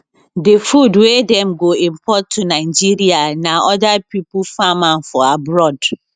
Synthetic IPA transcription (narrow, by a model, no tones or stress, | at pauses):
defudwedɛ̃mɡoĩmpʰɔtʰːunaɪd͡ʒiɹianaɔdapipufamãnfɔabɹɔd